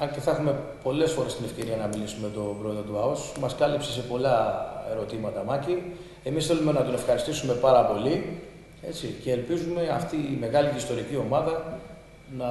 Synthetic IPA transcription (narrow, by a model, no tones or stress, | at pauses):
ɐnce̞θɐexume̞ | po̞le̞sfo̞ɾest̪ine̞fce̞ɾiɐnɐmilisume̞t̪o̞bɾoeðot̪uɐosmɐskɐlipsese̞po̞lɐe̞ɾo̞t̪imɐt̪ɐmɐcin | e̞misθe̞lume̞nɐt̪one̞fxɐɾist̪isume̞pɐɾɐpo̞li | e̞t͡sice̞ːlpizume̞ɐ̰ft̪iːme̞ɣɐliist̪o̞ɾicio̞mɐðɐ | nɐ